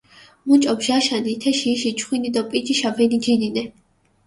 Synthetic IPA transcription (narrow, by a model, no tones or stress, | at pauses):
mut͡ʃʼɔbʒaʃanit̪ʰɛʃiːʃit͡ʃʰʼχwinid̪ɔpʼid͡ʒʼiʃabɛnid͡ʒininɛ